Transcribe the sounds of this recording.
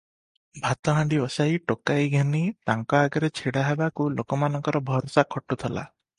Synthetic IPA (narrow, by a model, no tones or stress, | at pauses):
bʱat̪ɔɦãɳɖiʋɔsajʈokajɡʱenit̪aŋkɔaɡɔɾet͡ʃʰiɽaɦebakulokɔmanɔŋkɔɾɔbʱɔɾɔsakʰɔʈːut̪ʰɔla̰